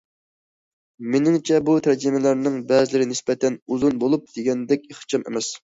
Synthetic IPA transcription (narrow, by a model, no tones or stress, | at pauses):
menɪŋt͡ʃʰɛbut̪ʰæɾd͡ʒimɪlæɾnɪŋbɛzɪlɪɾɪnɪspɛt̪ʰɛnuzunbolˠup̚d̪̥eɡʲɛnd̪ɛkʲeχt͡ʃʰɑmḛmɛs